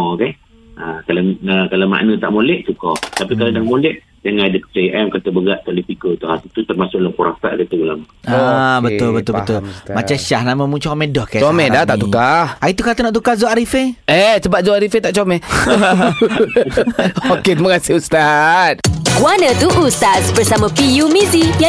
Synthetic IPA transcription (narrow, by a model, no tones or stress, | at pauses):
ke | akalaəkalama̰ʔnə̃t̪a̰ʔmolɛʔt̪ukɔt̪apikaladaŋmolɛʔ | d͡ʒaŋãadəkət͡ʃaʔɛmkat̪əbəɡaʔk̪alipikət̪uhasit̪ut̪ərmasʊʔlakuɾa̰t̪a̰ʔkat̪əɡulamaabət̪ʊlbət̪ʊlbəʊlmat͡ʃaʃahnamə̃mũt͡ʃamɛdɔhkɛt͡ʃomɛdaht̪aʔt̪ukahait̪ukat̪ənɔʔt̪̬ukazoaɾifeɛsəbap̚zoaɾifet̪aʔt͡ʃomɛh | oket̪imakasɪhust̪at̪̚kuanə̃t̪uʔust̪asbərsamə̃pijumizija